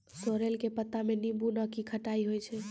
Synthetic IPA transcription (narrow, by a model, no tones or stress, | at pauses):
soɾelkepət̪ːamenibunəkikʰəʈaiɦojt͡ʃʰɛ